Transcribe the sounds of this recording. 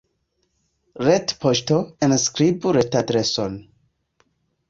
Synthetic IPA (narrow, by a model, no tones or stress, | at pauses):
ɹetpʰoʃtoẽnskɾibuɾetadɾeson